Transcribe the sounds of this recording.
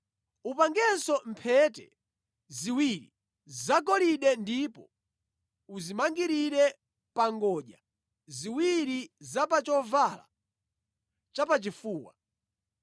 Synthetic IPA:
upaŋɡɛsɔmpʰɛtɛ̰ | ziwiɾi | zakɔliɗɛndipɔ | uzimaŋɡiɾiɾɛ | paŋɡɔʄa | ziwiɾizapat͡ʃɔvala̰ | t͡ʃapat͡ʃifuːwa̰

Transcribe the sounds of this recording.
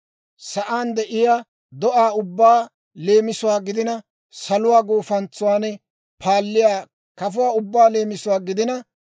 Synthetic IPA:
sɐʔaːnd̪ɛʔɪjaː | d̪ɔʔaːʊbːaː | le̞ːmɪsʊwaːɡɪd̪ɪnɐ | sɐlʊwaːɡoːfɐnt͡sːʊwaːnɛ | pʰaːlːɪjaː | kɐfʊwaːʊbːaːleːmɪsʊwaːɡɪd̪ɪnɐ

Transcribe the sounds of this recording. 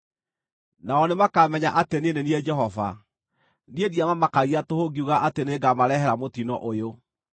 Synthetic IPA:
naɔnemakamɛɲaʔateneneniɛd͡ʒɛɦɔva̰ | niediamamakaɣiatohoɡiuɣaʔateneɡamaɾɛɦɛɾamotinɔ̰ʔojo

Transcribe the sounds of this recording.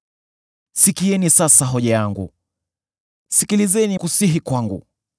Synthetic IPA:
sikiɛnisasaɦɔʄajaŋɡṵ | sikilizɛnikusiɦikwaŋɡṵ

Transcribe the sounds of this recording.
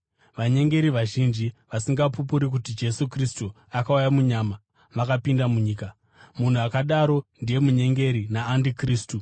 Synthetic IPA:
ʋaɲe̞ŋɡe̞ɾiʋaʒind͡ʒiʋasiŋɡapup̬uɾik̬utid͡ʒe̞sukristu | akaujamuɲama | ʋakapindamuɲiːka | mun̤uakaɗaɾo̞ndije̞muɲe̞ŋɡe̞ɾinaːndikriːstu

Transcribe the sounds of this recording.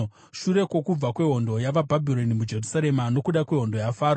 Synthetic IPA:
ʃuɾe̞kwo̞kub͡vakwe̞ɦo̞ndo̞jaʋabʱabʱiɾo̞nimud͡ʒe̞rusaɾe̞mano̞kuɗakwe̞ɦo̞ndo̞jafaːɾo

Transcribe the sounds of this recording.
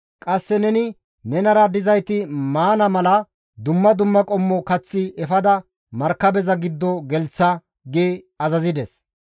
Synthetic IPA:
kʼɐsːɛnɛnɪ | nɛnɐɾɐd̪ɪzɐjt̪ɪmaːnɐmɐlɐ | d̪ʊmːɐd̪ʊmːɐkʼɔmːɔkɐt͡sːɪɛfɐd̪ɐ | mɐɾkːɐbɛzɐɡɪd̪ːɔɡɛlt͡sːɐ | ɡeː | ɐzɐzɪd̪ɛs

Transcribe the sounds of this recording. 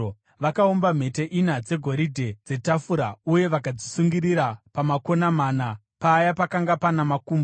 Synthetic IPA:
ʋakaombam̤e̞teʔinad͡ze̞ɡʱo̞ɾidʱe̞d͡ze̞tafuɾauje̞ʋakad͡zisuŋɡiɾiɾapamako̞namaːna | paːjapakaŋɡapanamakuːmb

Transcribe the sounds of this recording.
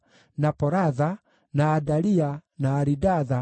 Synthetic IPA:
napɔɾaða | naːdalianaːɾidaða

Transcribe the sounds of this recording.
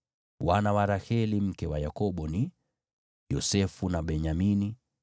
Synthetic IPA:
wanawaɾahɛlim̩kɛwajakɔɓɔni | jɔsɛfunaɓɛɲamini

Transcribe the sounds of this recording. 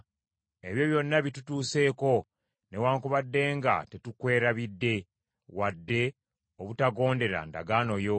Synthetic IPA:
e̞βjo̞βjo̞nːaβitutuːse̞ːko̞ | ne̞waːŋkuβadːe̞ːŋɡa̰te̞tukwe̞ːɾaβidːe̞ | wadːe̞ | oβutaɡo̞ːnde̞ɾa̰nda̰ɡaːno̞jo̞

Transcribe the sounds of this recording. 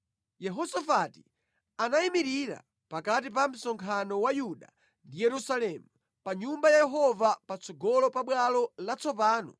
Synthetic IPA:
jɛɦɔsafati̥ | anaimiɾiɾa̰ | pakat̬ip̬am̩sɔŋkʰanɔwajuɗa | ndijɛɾusalɛmu | paɲumbajajɛɦɔvapat͡sʰɔɡɔlɔpaɓwalɔlat͡sʰɔpaːnɔ

